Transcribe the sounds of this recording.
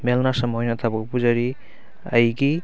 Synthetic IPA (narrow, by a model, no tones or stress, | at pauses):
melnasɐmojnɐtʰabɐkpuzɐɾi | ɐ̰jɡi